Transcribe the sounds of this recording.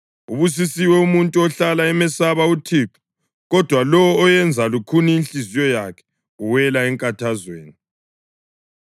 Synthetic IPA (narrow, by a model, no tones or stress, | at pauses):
uβus̬isiwɛumuntʼuɔɬalaɛmɛsaβautʰiǁʰu̥ | ɣɔd̥ʱwalɔwɔːjɛnd͡zʱalukʰuniinɬizijɔjakʰɛ̥ | uwɛlaɛŋkʼatʰazwḛːni